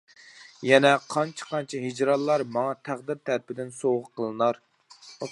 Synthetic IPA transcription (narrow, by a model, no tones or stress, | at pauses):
jɛnɛqʰɑnt͡ʃʰɛ̥qʰɑnt͡ʃʰɛɦid͡ʒɾɑlˠːɑɾmɑŋɑt̪ʰæʁd̪ɪɾt̪ʰæɾpɪd̪ɪnsoʁʊqʰːəlˠɨnɑɾ